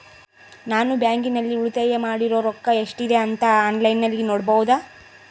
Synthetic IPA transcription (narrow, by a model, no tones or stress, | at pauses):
naːnubjaːŋɡinɐlːiuɭut̪eːjemaːɽiɾoːɾɔkːɐeʂʈid̪e̞ɐnt̪ɐaːnlɐjnːɐlːinoːɽbɐʋud̪aː